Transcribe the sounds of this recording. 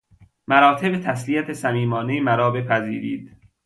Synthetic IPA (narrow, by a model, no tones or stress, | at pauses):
mæɾɒːt̪ʰe̞bet̪ʰæslijæt̪ʰesæmiːmɒːnemæɾɒːbe̞pʰæziːɾiːd̪